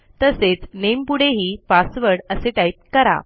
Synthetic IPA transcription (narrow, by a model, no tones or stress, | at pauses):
t̪əset͡snempuɽ̤eɦiːpasʋəɾɽəseʈajip̚kəɾa̰